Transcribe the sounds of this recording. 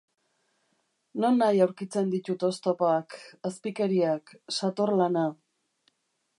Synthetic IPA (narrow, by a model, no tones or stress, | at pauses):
no̞nːajawɾkit͡se̞nd̪it̪ut̪o̞st̪opoakaspike̞ɾiaksat̪orlana